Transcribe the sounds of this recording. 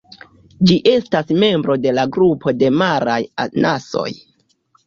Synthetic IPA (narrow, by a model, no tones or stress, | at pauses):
d͡ʒiʔe̞stasme̞mbɾo̞de̞laɡɾupʰo̞de̞maɾajanʔaso̞̰j